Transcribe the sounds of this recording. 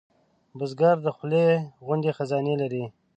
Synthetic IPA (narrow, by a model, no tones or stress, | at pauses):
bəzɡaɾd̪əxleɣʊnd̪exazɑnelaɾi